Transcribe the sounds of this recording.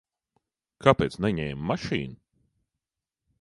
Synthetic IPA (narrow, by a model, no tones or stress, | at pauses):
kʰapeːt̪snɛɲɛːmːaʃḭːnu